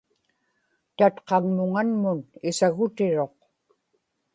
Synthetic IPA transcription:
t̪at̪qɑŋmʊŋanmʊnɪsaɣʊt̪ɪɻo̞q

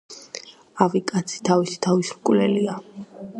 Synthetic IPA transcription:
avikʼat̪sʰi̥t̪ʰavisi̥t̪ʰavisɾkʼvlɛlia

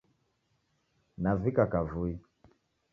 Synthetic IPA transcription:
navikakavui

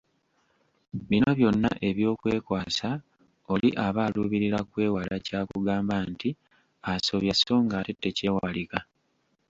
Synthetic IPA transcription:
βino̞βjo̞nːa̰ʔe̞βjo̞ːkwe̞ːkwaːsa | o̞liʔaβaːluːβiɾiɾakwe̞ːwalacaːkṵɡaːmbanti | aso̞βjaso̞ːŋɡaːtetːe̞ce̞ːwalika

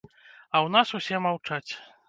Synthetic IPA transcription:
ɐwnasusʲɛmawt͡ʂat͡sʲ

